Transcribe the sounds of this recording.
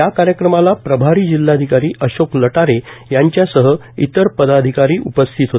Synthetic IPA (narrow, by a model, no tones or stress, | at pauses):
jakaɾjəkɾəmalapɾəbʱaɾiːd͡ʑilːad̪ʱikaɾiːʔəɕokləʈaɾejaɲt͡ɕjasəɦə | it̪əɾpəd̪ad̪ʱikaɾiːʔupəst̪ʰit̪ɦot̪